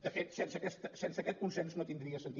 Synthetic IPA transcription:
ɐfesẽnsɐkɛʃt̪ɐsẽnsɐkɛt̪̚kũnsẽnsunɐ̃wt̪ĩnd̪ɾiɐsẽnt̪i

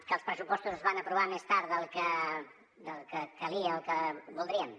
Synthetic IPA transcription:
kəlˠspɾəsupɔst̪uzəzβanəpɾuβamest̪aɾðəlˠkə | d̪əlˠkək̪əliəlˠkəbulˠd̪ɾiəm

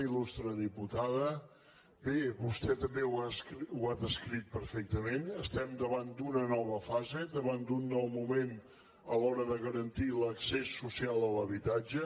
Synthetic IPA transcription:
ilust̪ɾəðiput̪aðə | beβust̪ɛt̪əmbewasuaðəskɾit̪̚pəɾfɛk̚t̪əmenəst̪ɛmd̪əβand̪unənɔβəfazed̪əβand̪unːɔwmumen | əlɔɾəðəɣəɾənt̪iləksesːusialˠələβit̪ad͡ʒə

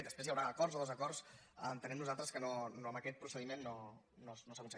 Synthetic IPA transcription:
d̪əspɾezjəwɾaːkɔrzoðozəkɔrs | nt̪ənɛmnuzalˠt̪ɾəskənonoəməkɛt̪̚pɾusəðimenːo | nonosəkunsəɣ

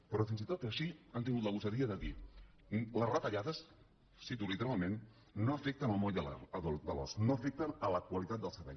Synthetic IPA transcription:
pɾɔfɾinzit̪ot̪əʃiant̪̬iŋɡut̪ləɣusəðiəðəði | ləzrət̪əʎaðəs | sit̪ulit̪əɾalˠmẽnː | oəfɛk̚t̪ənəlmojəla̰əðod̪əlɔ̰snoəfɛk̚t̪ənələkwəlit̪at̪̚d̪əlˠsəɾβɛ̰ʎ

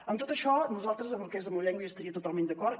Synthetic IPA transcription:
əmt̪ot̪əʃɔnuzalˠt̪ɾəzəmbəlˠkezəmlʎɛŋɡwəiəst̪əɾiət̪ut̪alˠmẽnd̪əkɔɾt̪

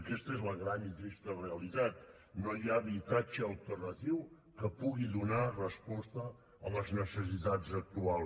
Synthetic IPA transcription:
kɛst̪əezləɣɾanizist̪əreəlit̪at̪̚ | nojaβit̪at͡ʃəːlˠt̪ərnət̪iw | kəpuɣiðunarəspɔst̪ə | ələznəsəs̬it̪azək̚t̪ualˠ

